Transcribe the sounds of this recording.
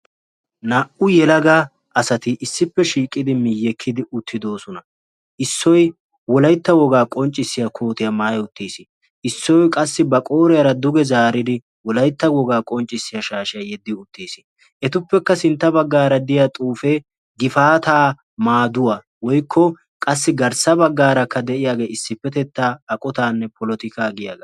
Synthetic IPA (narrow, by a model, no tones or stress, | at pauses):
nɐʔʊjɛlɐɡa | ʔɐsɐt̪ɪʔɪsːɪpːɛʃiːkʼːɪd̪ɪmɪjːɛkʰːɪd̪ɪʔʊt̪ʰːɪd̪o̞ːsɔnɐ | ʔɪsːɔj | wɔlɐjt̪ːɐwɔɡaːkʼɔnt͡ʃʼːɪsːɪjɐkʰo̞ːt̪ɪjɐmaːjʊt̪ːeːsɪ | ʔɪsːɔjkʼɐsːɪbɐkʼo̞ːɾɪjɐɾɐd̪ʊɡɛzaːɾɪd̪ɪ | wɔlɐjt̪ːɐwɔɡaːkʼɔnt͡ʃʼːɪsːɪjɐʃaːʃɪjɐjɛd̪ːɪʊt̪ːiːsɪ̥ | ʔɛt̪ʊpːɛkːɐsɪnt̪ːɐbɐɡːaːɾɐd̪ɪjat̪ʼuːfe | ɡɪfaːt̪aː | maːd̪ʊwɐ | wɔjkʰːɔ | kʼɐsːɪɡɐɾsɐbɐɡːaːɾɐkːɐd̪ɛʔɪjaːɡe̞ːɪsːɪpːɛt̪ɛt̪ːaːɐkʼɔt̪aːnːɛpʰɔlɔt̪ɪkaːɡɪja̰ːɡɐ